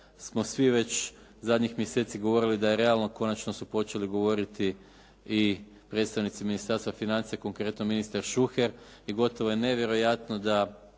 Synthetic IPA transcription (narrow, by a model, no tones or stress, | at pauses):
smo̞sʋiʋe̞t͡ʃ | zad̪ɲixmjese̞ːt̪siɡoʋo̞ɾilid̪ajeɾe̞alno̞ko̞nat͡ʃno̞supo̞t͡ʃe̞liɡo̞ʋo̞ɾit̪i | i | pɾe̞d̪st̪aʋnit̪siminist̪aɾst̪ʋafinant̪sijeko̞ŋkɾe̞t̪no̞minist̪aɾʃuxeɾiɡo̞t̪o̞ʋo̞jene̞ʋje̞ɾo̞jat̪no̞d̪a